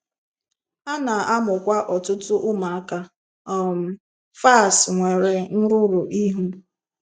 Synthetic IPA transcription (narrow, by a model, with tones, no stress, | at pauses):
a˦na˨a˦mʊ˨kʷa˦ʔɔ˨tʊ˦tʊ˦ʔʊ˦ma˨a˦ka˦ | ɔ˦˨m̩˦ | fa˦˨sŋʷe˨ɾe˨n̩˦ɾʊ˦ɾʊ˨ʔi˦ɦu˦